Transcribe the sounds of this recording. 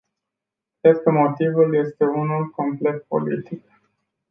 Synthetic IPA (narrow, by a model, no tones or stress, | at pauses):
kɾe̞d̪kəmo̞t̪ivulje̞st̪e̞unulko̞mple̞t̪̚po̞̰lḭt̪ik̚